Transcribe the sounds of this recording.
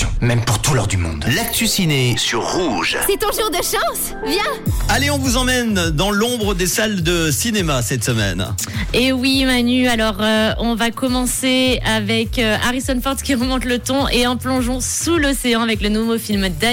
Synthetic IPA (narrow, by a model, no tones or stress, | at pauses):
mɛmpuʁt̪ulɔ̰ʁd̪ymɔ̰̃d̪lak̚t̪ysinesyʁːuʒsɛt̪ɔ̃ʒuʁd̪əʃɑ̃s | vjɛ̃aleɔ̃vuzɑ̃mɛnd̪ɑ̃lɔ̃bʁəd̪esald̪əsinemasɛt̪səmɛ̰n | ewimanyalɔʁøɔ̃vakɔmɑ̃seavɛkøa̰ʁisɔnfɔʁt̪kʲiʁəmɔ̃t̪lət̪ɔ̃ʔeɑ̃plɔ̃ʒɔ̃sulɔseɑ̃avɛklənovofilmd̪a